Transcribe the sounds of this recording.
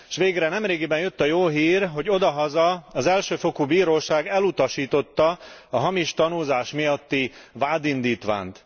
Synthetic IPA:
ʃʋeːɡrɛnɛmreːɡibɛnjøt̪ːɒjoːɦiːrɦo̞ɟo̞d̪ɒɦɒzɒɒzɛlʃøːfo̞kubiːɾoːʃaːɡɛlut̪ɒʃiːt̪o̞t̪ːɒɒɦɒmiʃt̪ɒnuːzaːʃmijɒt̪ːivaːd̪ind̪iːt̪ʋa̰ːnt̪

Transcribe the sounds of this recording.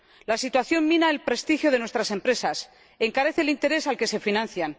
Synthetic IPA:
lasit̪waθjo̞mmĩnaelpɾe̞st̪ixjo̞ð̞e̞nwest̪ɾase̞mpɾe̞sas | e̞ŋkaɾe̞θelint̪e̞ɾe̞salke̞se̞finãnθjan

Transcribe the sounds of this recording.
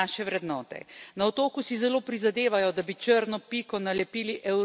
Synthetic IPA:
aʃɛʋɾɛd̪nɔːt̪ɛ̰naɔt̪oːkusizɛloːpɾizad̪eːʋajɔd̪abit͡ʃəɾnɔpikɔnalɛpiːliʔɛw

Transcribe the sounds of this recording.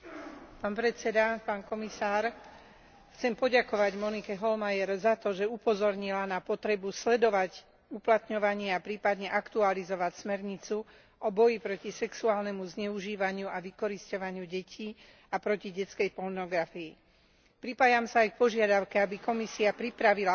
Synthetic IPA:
paːnpɾɛt͡sɛd̪apaːnkɔmisaːɾ | xt͡sɛmpɔɟakɔʋaɟmɔnikɛɦɔlmajɛɾzat̪ɔʒɛupɔzɔɾɲilanapɔt̪ɾɛbuslɛd̪ɔʋac | uplat̪ɲɔʋaɲɪɛapɾiːpad̪ɲɛʔakt̪ualizɔʋacsmɛɾɲit͡su | ʔɔbɔjipɾɔcisɛksuaːlnɛmuzɲɛuʒiːʋaɲɪuaʋikɔɾiscɔʋaɲɪuɟɛcʰiː | apɾɔciɟɛt͡skɛjpɔɾnɔɡɾafiː | pɾipaːjamsaːjk̚pɔʒɪad̪aʊkɛabikɔmisiapɾipɾaʋila

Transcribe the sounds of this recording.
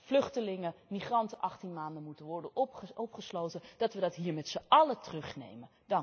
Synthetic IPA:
v̥lɵχtəlɪŋəmiχrɑntəʔɑχtinmaːndənmutənʋɔɹdənɔpχəslowtəd̥ɑtʋədɑtɦiːɹmɛtsəʔɑlətərɵχnḛjmən | dɑŋ

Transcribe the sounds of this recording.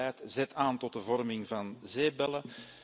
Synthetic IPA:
ɛːtzɛtaːntɔt̚dəvɔrmɪŋvɑnzeːbɛlə

